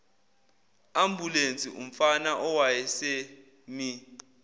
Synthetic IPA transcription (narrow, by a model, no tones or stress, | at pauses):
am̩bʱulent͡sʼiʔṵm̩fanaʔɔwajɛse | mi